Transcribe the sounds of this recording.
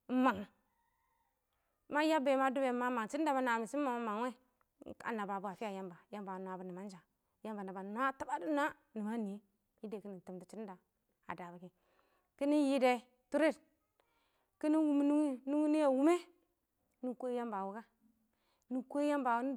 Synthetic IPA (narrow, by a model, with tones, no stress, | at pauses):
ma˨ŋna˨˦ | ma˦ja˦be˨˦ma˦du˦be˨˦mːa˦ma˨ŋt͡ʃi˦da˨ba˦n˨a˨mi˨si˦ma˨ma˦ma˨ŋ˦we˦ | ka̰˨na˨ba˨bu˦a˨fi˦a˨ja˦mba˨ja˦mba˨n˨a˨bu˦ni˨ma˦n˦d͡ʒa˨ | ja˦mba˨na˨ba˨nu˦a˦ta˦ba˦du˦n˦a˦ | ni˨ma˦ni˨e˦ | ji˦de˨ki˦ni˨tu˨mti˨t͡ʃi˦da˨ | a̰˨da˨ba˨ki˨ | ki˦ni˦n˦ji˦de˨ | tu˦ɾi˦˨t | ki˦ni˦wu˦mi˦nu˦i˦nu˦ŋi˦ni˦ja˨wu˦me˦ | ni˦ko˦ja˦mba˨wu˨˦ka˦ | ni˦ke˦ja˦mba˨wu˦n˦